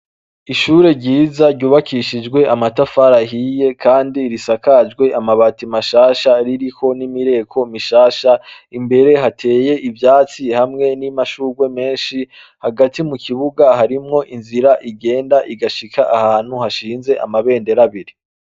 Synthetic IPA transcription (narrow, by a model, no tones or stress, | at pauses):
iʃuːɾe̞ɾɟiːzaɾɟuːβakʰiʃid͡ʒɡwe̞amatafaɾaɦije̞kʰaːndiɾisakad͡ʒɡwe̞ʔamaβaːtimaʃaːʃaɾiɾiho̞nimiɾe̞kʰo̞miʃaːʃaimbe̞ɾe̞ɦatʰe̞ːje̞ʔivjaːt͡sihamŋe̞nimaʃuːɡwe̞me̞ːnʃi | haɡatimukʰiβuɡaɦaɾimŋo̞ʔinziɾaʔiɡe̞ːndaʔiɡaʃikʰaʔahaːn̥huhaʃiːnze̞ʔa̰maβe̞ːnde̞ɾaβiɾi